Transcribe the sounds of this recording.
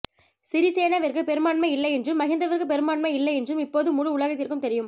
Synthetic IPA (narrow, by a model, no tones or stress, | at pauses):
sɪɾiseːnɐʋɐɾkɯpɛɾɯmaːɳmɐɪlːɐɛndrɯmːɐɣɪnd̪ɐʋɐɾkɯpɛɾɯmaːɳmɐɪlːɐɛndrɯmɪpːoːðɯmʊɻɯʊɭɐɣɐt̪ːɪɾkːɯmt̪ɛɾɪjɯm